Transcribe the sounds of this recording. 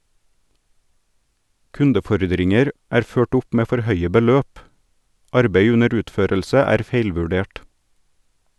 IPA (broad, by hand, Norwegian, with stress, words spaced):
ˈkʉndəˌfɔɾdɾɪŋəɾ ˈæːɾ ˈføːʈ ˈʊp ˈmeː ˈfɔɾ ˈhœʏə bəˈløːp ˈɑɾbeɪ ˈʉnəɾ ˈʉːtˌføːɾəlsə ˈæːɾ ˈfeɪlʋʉˌɖeːʈ